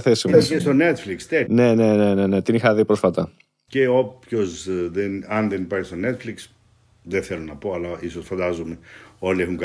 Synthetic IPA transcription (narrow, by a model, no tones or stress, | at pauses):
θesieest̪onet̪flikst̪ene̞ne̞ne̞ne̞ne̞t̪inixɐðipɾo̞sfɐt̪ɐ | ce̞opço̞zðenɐnðenipɐɾçist̪one̞t̪fliks | ðeθe̞lonɐpo̞ɐlɐiso̞sfɐnd̪ɐzume̞o̞liexuŋk